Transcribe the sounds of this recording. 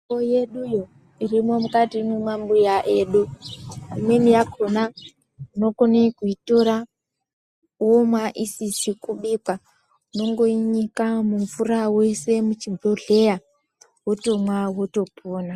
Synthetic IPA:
oje̞ɗujo | irimo̞mukatimumambujaʔeːɗu | imwe̞nijakʰona | uno̞konekuito̞ɾa | uwomwaʔisisikuɓikwa | uno̞ŋɡo̞iɲikamuɱfurawe̞se̞mut͡ʃibʱloɮe̞ja | woto̞mwaɦwoto̞pʰoːna

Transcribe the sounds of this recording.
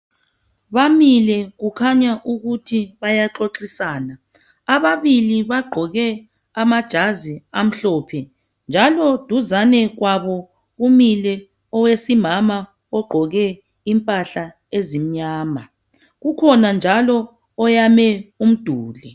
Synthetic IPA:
βamilɛɣukʰaɲaʔuɣutʰiβajaǁoǁisaːnaː | βaβiliβaɡ͡ǃʱɔɣɛ | amad̥ʒ̥ʱaziam̩ɬɔpʰɛ | nd͡ʒʱalɔd̥ʱuzanɛɣwaβɔ | ɣumilɛ | ɔwesimama | ɔɡ͡ǃʱɔɣɛ | impʼaɬa | ezim̩ɲaːma | ɣukʰɔnand͡ʒʱalɔː | jamɛum̩d̥ʱuːlɛ

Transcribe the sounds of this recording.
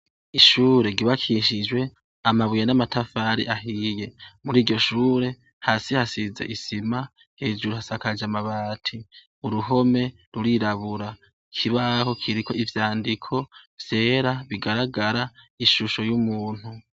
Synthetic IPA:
iʃuːɾe̞ɡiβakʰiʃid͡ʒwe̞ | amaβujanamatʰafaɾḭʔaɦije̞muɾiːɟo̞ʃuːɾe̞ | haːsihasizḛʔisima | he̞ːd͡ʒuɾuhasakad͡ʒamaβaːtʰi | uɾuɦo̞me̞ | ɾuɾiɾaβuɾa | kʰiβaho̞kʰiɾikʰo̞ivjaːndikʰo̞v̥je̞ːɾaβiɡaɾaɡaɾaiʃuʃo̞jumuːn̥hu

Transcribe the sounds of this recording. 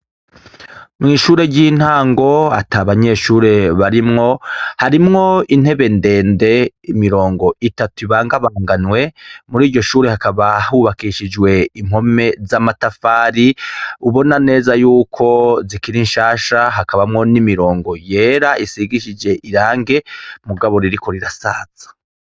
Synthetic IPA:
mŋiːʃuːɾe̞ɟin̥haːŋɡo̞a̰tʰaβaɲe̞ːʃuːɾe̞βaɾimŋo̞haɾimŋo̞in̥he̞βe̞nde̞ːnde̞ | imiɾo̞ːŋɡo̞itatuiβaːŋɡaβaŋɡanwe̞muɾiːɾɟo̞ʃuːɾehakaβahuβakiʃid͡ʒwe̞imho̞me̞zamatafaːɾiuβo̞nane̞ːzajuːkʰo̞zikiɾinʃaːʃaɦakaβamŋo̞nimiɾo̞ːŋɡo̞je̞ːɾaʔisiɡiʃid͡ʒe̞ʔiɾaːŋɡe̞muɡaβo̞ɾiɾiko̞ɾiɾasaːz̥ḁ

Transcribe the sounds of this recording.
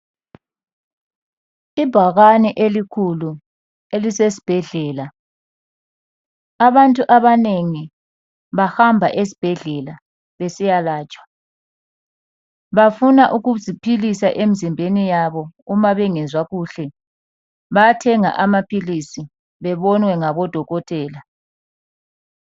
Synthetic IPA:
ib̥ʱaɣaniʔelikʰulu | elisesi̥b̥ʱɛɮɛːla | aβantʼuʔaβaneŋi | βahambʱa̰ʔes̬i̥b̥ʱɛɮɛla | βesijalaːt͡ʃʼwḁ | βafunaʔuɣuzipʰilisaʔem̩zimbʱenijaβɔumaβɛŋɛzwaɣuːɬɛ | βaatʰɛŋa̰ʔamapʰilisi | βɛβɔnwɛŋaβɔd̥ʱɔɣɔtʼɛːla

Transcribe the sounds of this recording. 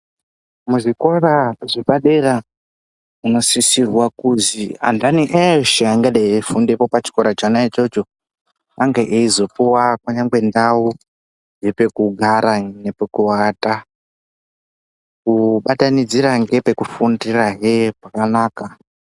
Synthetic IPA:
muʐiko̞raʐipaɗera | uno̞sisirwakuzia̰ndaniʔeʃeaŋɡaɗaefundepo̞pat͡ʃi̥ko̞ɾat͡ʃanait͡ʃot͡ʃo | aŋɡeʔeizo̞puwakwaɲaŋɡwe̞ndau | d͡ʒepe̞kuɡʱaɾanepekuwata | kuɓatanid͡ziɾaŋɡe̞pe̞kufundiraɦepakanaːka

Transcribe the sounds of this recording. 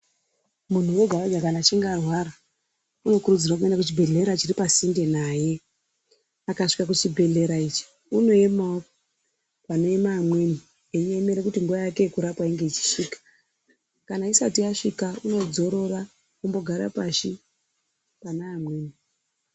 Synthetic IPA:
mun̤uwe̞ɡʱaaɡakanat͡ʃiŋɡarwaɾa | uno̞kurud͡zirwakue̞ndakut͡ʃibʱe̞ɮe̞ɾat͡ʃiripasinde̞naje̞ | akaʂi̥kakut͡ʃibʱe̞ɮe̞ɾait͡ʃi̥ | uno̞emao | pano̞emaːmwe̞ni | eiɲe̞me̞ɾe̞kutiŋɡuʋajake̞ekuɾapwaiŋɡe̞it͡ʃi̥ʃiːkḁ | kanaisatiaʂikauno̞d͡zo̞ɾo̞ra | kumbo̞ɡʱaɾa̰paʃi | panaːmwe̞ːni

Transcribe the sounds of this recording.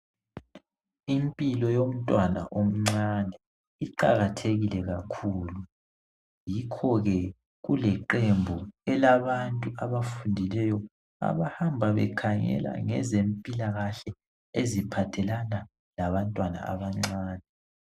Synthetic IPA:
impʼilɔjom̩tʼwana̰ʔom̩ŋ͡ǀanɛ | iǃa̰ɣatʰeɣilɛɣakʰuːlu | jikʰɔɣɛ | ɣulɛǃembʱuɛlaβantʼuaβafundʱilɛjɔ | a̰βahambʱaβɛ̰kʰaŋɛ̰la̰ŋɛ̰zempʼilaɣaɬɛ | ezipʰatʰɛlana | laβantʼwana̰a̰βaŋ͡ǀaːnʱɛ

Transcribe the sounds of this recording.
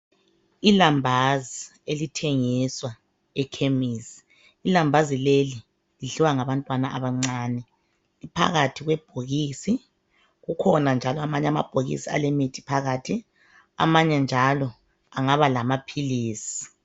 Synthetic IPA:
ilambʱazi | elitʰeŋiswa | ɛkʰemisi̥ː | lambʱazileli | liɮiwaŋaβantʼwanaʔaβaŋ͡ǀaːnɛ | lipʰa̰ɣatʰiɣwɛb̥ʱoɣiːsi | ɣukʰɔnand͡ʒʱalɔamaɲɛama̰b̥ʱoɣḭsia̰lemitʰi̥pʰaɣatʰi | a̰maɲɛnd͡ʒʱalɔ | aŋaβalamapʰiliːsi̥

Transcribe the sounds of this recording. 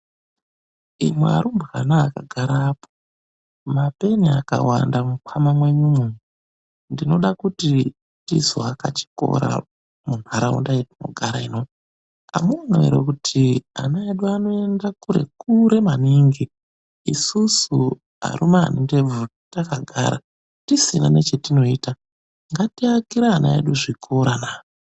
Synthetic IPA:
imwea̰ɾumbɣanaːkaɡʱaɾaːpo̥ | mape̞niaka̰wandamukwamamwe̞ɲumumu | ndino̞ɗakuti | tizoakat͡ʃi̥ko̞̰ɾa̰ | mun̤aɾaṵndajetino̞̰ɡʱaɾaino | ka̰muoneḛɾekutʰia̰naeɗuano̞e̞ndakuɾe̞̰kuɾe̞maniŋɡi | isusu | ɦa̰ɾumaa̰ninde̞b͡vu | takaɡʱa̰ɾa̰ | tisina̰ne̞t͡ʃe̞tino̞iːta | ŋɡatiakiɾaːnaḛɗuʐikʰoɾanaː

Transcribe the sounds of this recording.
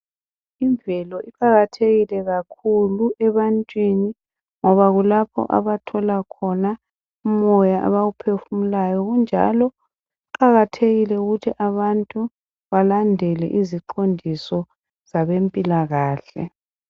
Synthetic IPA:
iɱbvʱɛlɔʔipʰaɣatʰeɣilɛɣakʰuluʔɛβantʼwini | ŋɔβaɣulapʰɔ̰ʔa̰βatʰɔlakʰɔna | umɔjaʔa̰βaɣupʰefumulajɔɣund͡ʒʱa̰lɔ | ǃaɣatʰeɣilɛuɣutʰiʔaβantʼu | βalandʱɛlɛʔiziǃondʱisɔ | z̥aβempʼilaɣaːɬɛ̰

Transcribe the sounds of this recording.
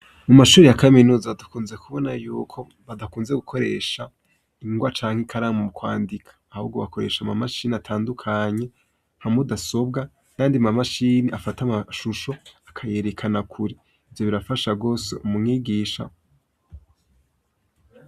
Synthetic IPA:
mumaʃuːɾejakaminuːzaβadakuːnze̞kuβo̞najuːkʰo̞ | βadakuːnze̞ɡukʰo̞ɾe̞ːʃa | iŋɡwat͡ʃaːŋ̥ekʰaɾaːmumukwaːndikʰḁːhṵbɡo̞βako̞ɾe̞̰ʃamamaʃiːniatʰaːndukʰaɲe̞ | hamudaso̞b̚ɡa | kaːndiamamaʃiːniʔafatamaʃuʃo̞akʰaje̞ɾe̞kʰanakʰuɾi | ivjo̞βiɾafaʃaɡo̞ːse̞̰ʔumumŋiːɡiːʃa̰

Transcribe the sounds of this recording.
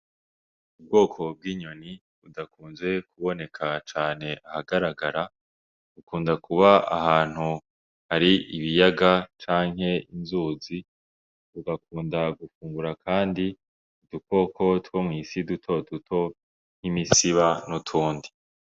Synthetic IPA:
ub̚ɡo̞ːkʰo̞b̚ɡiːɲo̞ni | udakuːnzwe̞kʰuβo̞ne̞kʰat͡ʃaːne̞ʔahaɡaɾaɡaɾa | ukuːndakuβaa̰haːn̥hu | haɾiiβijaɡat͡ʃaːŋɦe̞inzuːzi | uɡak̚uːndaɡufuːŋɡuɾakʰaːndi | uduko̞kʰo̞twomŋiːsidutʰo̞dutʰo̞ | n̥himisiβanutʰuːndi

